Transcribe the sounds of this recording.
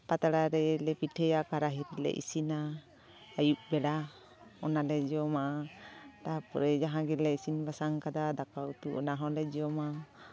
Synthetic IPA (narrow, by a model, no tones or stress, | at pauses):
pat̪aɽaɾɛlɛpiʈʰɛjakaɾaɦiɾilɛ̰ʔḭsinaː | juʔbɛɽa | ɔnalɛd͡ʒɔmaʔatapɔɾɛd͡ʒaɦãɡɛlɛisinbasaŋkad̪ad̪akaut̪uɔnaɦɔlɛd͡ʒiɔma